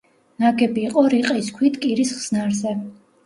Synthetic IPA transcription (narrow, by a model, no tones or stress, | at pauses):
naɡɛbiːqʼɔɾiqʼiskʰwit̪ʰkʼiɾisχz̥naɾzɛ